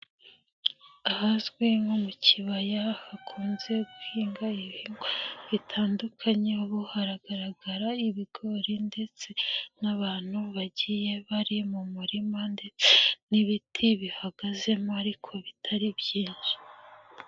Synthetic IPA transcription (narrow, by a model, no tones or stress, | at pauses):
ahazɡweŋomucʰiβajahakʰuːnze̞ɡuhiːŋɡaiβiŋɡoβitʰaːndukʰaɲeβuhaɾaɡaɾaɡaɾaiβiɡ̥o̞ɾinde̞t͡se̞naβaːn̥huβaɟije̞βaɾimumuɾimande̞t͡se̞niβitʰiβihaɡaze̞moaɾikʰo̞βitʰaɾibjiːnʒ̥u̥